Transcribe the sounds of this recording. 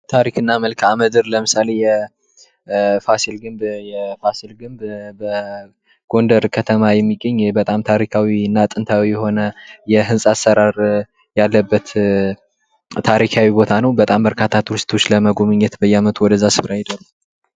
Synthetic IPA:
t̪ʰaɾikɨnːaməlkʰaməd̪ɨɾləmɨsale̞jɛ | fasilɡɨmbjɛfasilɡɨmbbə | ɡ̥o̞nd̪əɾkʰət̪ʰəmajɛmːiɡəɲːbət̪ʼamt̪ʰaɾikʰawiɨnːat̪ʼɨnt̪ʰawijɛho̞nəjɛɦɨnsʼasːəɾaɾ | jalːəbːət̪ | t̪ʰaɾikʰawibo̞t̪ʰanəwbət̪ʼambəɾkʰat̪ʰːat̪wɨst̪ʰo̞t͡ʃːləməɡo̞mɨɲːɛt̪bəjːamət̪ʰuwɔd̪əzːasɨfɾajɪd̪əɾu

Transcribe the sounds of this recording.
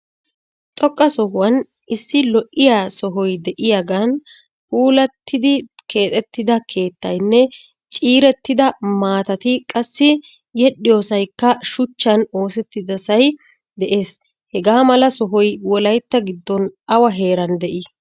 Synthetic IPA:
t̪ʼɔkʼːɐsɔhɦʊwɐn | ɪsːɪlɔʔʔɪjaːsɔɦɔjd̪ɛʔɪjaɡɐn | fuːlɐt̪ʰːɪd̪ɪkʰe̞ːt̪ʼɛt̪ːɪd̪ɐkʰe̞ːt̪ːɐjnːɛ | t͡ʃʼiːɾɛt̪ːɪd̪ɐmaːt̪ɐt̪ɪkʼɐsːɪ | jɛɗːɪjo̞ːsɐjkːɐʃʊt͡ʃːɐno̞ːsɛt̪ːɪd̪ɐsɐj | d̪ɛʔe̞ːs | hɛɡaːmɐlɐsɔɦɔjwɔlɐjt̪ːɐɡɪd̪ːɔnɐwɐɦe̞ːɾɐnd̪ɛʔɪ

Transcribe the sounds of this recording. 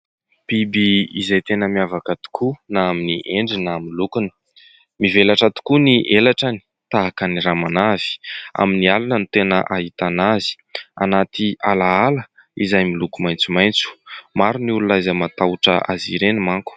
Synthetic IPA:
pibiizajt̪enəmiavakət̪u̥kʰunaaminiʔeɳɖ͡ʐinaaminlukunə̥ | mivelaʈ͡ʂat̪u̥kuniʔelaʈ͡ʂani̥ | t̪aɦakəniɾamanav̥i̥a̰minialunənit̪enəʔaɦit̪anazi̥ | a̰nat̪ialaalə | izajmilukumajnt͡sumajnt͡su̥maɾunululazəmat̪awuʈ͡ʂə̰ʔaziɾenimaŋku̥

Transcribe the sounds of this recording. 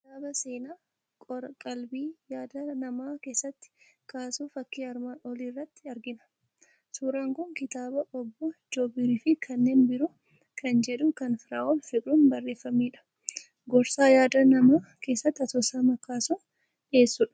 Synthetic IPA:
kɪt̪aːbɐse̞ːnaː | kʼɔɾɐkʼɐlbiːjaːd̪ɐnɐmaːke̞ːsːɐt̪ːɪ̥kaːsuːfɐkːiːɐɾmaɔliːrːɐt̪ːɪɐɾɡɪnɐ̥ | suːɾaːŋkʊŋkɪt̪aːbɐʔɔbːɔd͡ʒoːbɪɾiːfɪkʰɐnːe̞ːnbɪɾʊ | kʰɐnd͡ʒɛᶑʊkɐnfɪɾaːʔɔlfɪʔuːnbɐrːeːfːɐmiːᶑɐ̥ | ɡɔɾsaːjaːd̪ɐnɐmaːke̞ːsːɐt̪ːɐt̪ɔːsaːmɐkaːsɔn | ᶑɪeːsːʊᶑɐ̥

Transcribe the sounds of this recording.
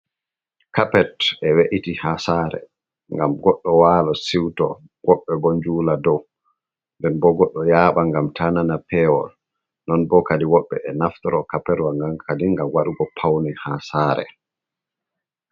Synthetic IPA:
kapɛtɛweʔitihasaɾɛ̰ | ŋɡamɡɔɗːɔwalɔsiwtɔ | wʔɔɓːɛbɔɲd͡ʒuːladɔw | mbɛnbɔɡɔɗːɔjaɓaŋɡamtʰananapɛwɔ̰l | nɔnbɔkadiwɔɓːɛʔɛnaftɔɾɔkapɛɾwaŋɡaŋkʰadiŋɡamwaɗuɡɔpʰawnɛhasaɾɛ̰

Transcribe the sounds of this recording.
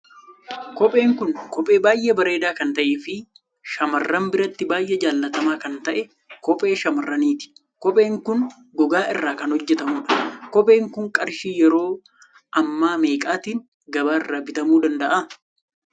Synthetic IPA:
kɔpʼe̞ːŋkʊŋkɔpʼe̞ːbaːjʔɛbɐɾe̞ːd̪aːkɐnt̪ɐʔeːfɪ | ʃɐmɐrːɐmbɪɾɐt̪ːɪbaːjʔɛd͡ʒaːlːɐt̪ɐmaːkɐnt̪ɐʔɛ | kɔpʼe̞ːʃɐmɐrːɐniːt̪ɪ̥ | kɔpʼe̞ːŋkʊn | ɡɔɡaːʔɪrːaːkɐnhɔd͡ʒːɛt̪ɐmuːᶑɐ̥kɔpʼe̞ːŋkʊŋkʼɐɾʃiːjɛɾo̞ː | ʔɐmːaːmeːkʼaːt̪iːn | ɡɐbaːɪrːaːbɪt̪ɐmuːd̪ɐnd̪ɐʔa

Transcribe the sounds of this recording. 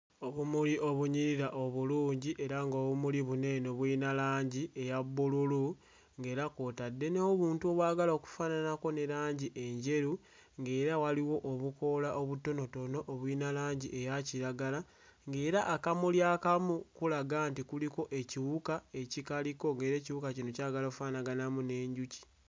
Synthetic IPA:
oβumuliʔo̞βuɲiɾiɾaʔo̞βuluːɲɟiʔe̞ɾaŋɡo̞ːβumuliβune̞no̞βwiːnalaːɲɟie̞jaβːululu | ŋɡe̞ːɾakotadːe̞neoβuːntuoβwaːɡalaoku̥fananako̞ne̞ɾaːɲɟiʔe̞ɲɟe̞ɾu | ŋɡe̞ːɾawaliwo̞ʔːβuko̞laʔoβuto̞no̞to̞no̞ʔːβwiːnalaːɲɟiʔe̞jaciɾaɡala | ŋɡe̞ːɾaʔːkamuljaːkamukulaɡaːntikuliko̞ʔe̞ciβukae̞cikaliko̞ŋɡeɾe̞ːciβukacinocaːɡalokufanaɡanamune̞ːɲɟuci̥

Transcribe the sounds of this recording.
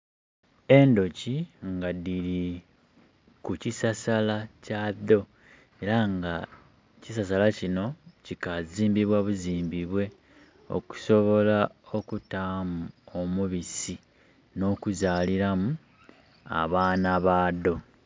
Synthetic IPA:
e̞ndo̞ciŋɡadiɾi | kucisasalacado̞ | e̞ɾaŋɡa | cisas̬alacino̞cikaziːmbiβwaβuziːmbiβwe̞ | o̞̰ku̥so̞βo̞lao̞kutaːmuomuβisi | no̞ːkuzaːliɾamu | a̰βaːnaβaːdo̞

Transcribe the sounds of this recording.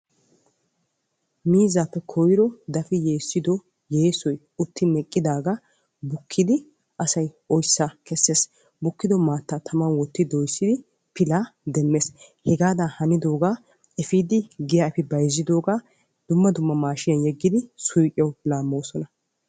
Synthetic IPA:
miːzaːpːɛkʰɔjɪɾɔd̪ɐfɪje̞ːsːɪd̪ɔ | je̞ːsɔj | ʊt̪ːɪmɛkʼːɪd̪aːɡa | bʊkʰːɪd̪ɪ | ʔɐsɐj | ɔjsːakɛsːeːs | bʊkːɪd̪ɔmaːt̪ːaːt̪ʰɐmɐnwɔt̪ːɪd̪ɔjsːɪd̪ɪ | pɪlaːd̪ɛmːes | hɛɡaːd̪aːhɐnɪd̪o̞ːɡaː | ɛfiːd̪ɪɡɪjafɪbɐjzːɪd̪o̞ːɡaː | d̪̥ʊmːɐd̪ʊmːɐmaːʃɪjɐnjɛɡːɪd̪ɪsʊjkʼɪjɛwlaːmːoːsɔnɐ

